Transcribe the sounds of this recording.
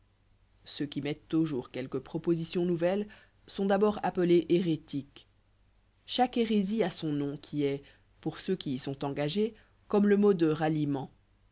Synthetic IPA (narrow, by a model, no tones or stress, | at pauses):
søkʲimɛt̪ːuʒuʁkʲɛlkəpχɔpozisjɔ̃nuvɛl | sɔ̃d̪abɔːʁapəleʔeʁet̪ik | ʃakeʁeziasɔ̃nɔ̃kʲʰiɛ | puʁsøkʲiːsɔ̃t̪ɑ̃ɡaʒe | kɔmləmod̪əʁalimɑ̃